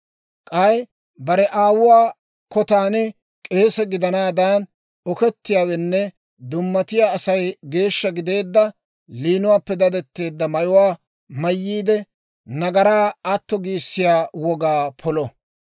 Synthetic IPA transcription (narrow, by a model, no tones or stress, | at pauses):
kʼɐj | bɐɾɛʔaːwʊwaː | kɔt̪aːnɛ | kʼe̞ːsɛɡɪd̪ɐnaːd̪aːn | ɔkɛt̪ːɪjaːwɛnːɛ | d̪ʊmːɐt̪ɪjaːɐsɐjɡe̞ːʃːɐɡɪd̪e̞ːd̪ːɐ | liːnʊwaːpːɛd̪ɐd̪ɛt̪ːe̞ːd̪ːɐmɐjʊwaː | mɐjːiːd̪ɛ | nɐɡɐɾaːɐt̪ːɔɡiːsːɪjaːwɔɡaːpʰɔlɔ